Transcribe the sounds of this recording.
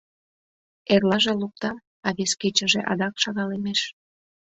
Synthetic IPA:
erlɑʒeluk̚t̪ɑm | ɑβesket͡ɕəʒeʔɑd̪ɑkʃɑɣɑlemeʃ

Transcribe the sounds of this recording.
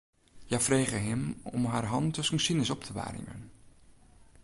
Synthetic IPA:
jaːfrejχəɦɪmɔ̰mɦaːɹɦɑntɔsəŋsinəsɔptʰəʋa̰ːrɪ̰mə̰n

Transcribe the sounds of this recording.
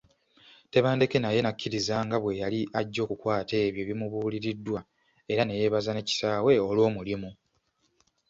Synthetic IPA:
te̞βaːnde̞ke̞naje̞nakʰːiɾizaŋɡaβwe̞jaliʔaɟːo̞ːkukwaːte̞ːβjo̞βimuβuːliɾidːwa | e̞ɾane̞je̞ːβazane̞ci̥saːwe̞olwo̞ːmulimu

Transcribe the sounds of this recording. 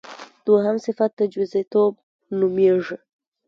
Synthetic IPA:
d̪̥waɦamsɪfat̪ːəd͡ʒwizet̪ob̚ | numeʐi

